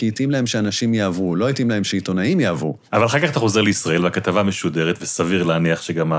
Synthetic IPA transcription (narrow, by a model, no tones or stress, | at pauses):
kiit̪imlae̞mʃeanaʃimjaavulo̞it̪imlahe̞mʃeit̪o̞naimjaːvṵ | avalaχalkaχat̪aχo̞ze̞ʁleisʁae̞lvakat̪avameʃude̞ʁet̪vesaviʁlaːniaχʃeɡama